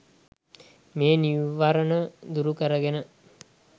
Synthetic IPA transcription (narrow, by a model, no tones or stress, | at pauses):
meːniuʋaɾənəd̪uɾukəɾəɡenə